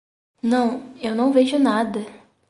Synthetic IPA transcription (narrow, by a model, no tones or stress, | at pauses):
nɐ̃w̃ewnɐ̃w̃veʒʊnad̪ɐ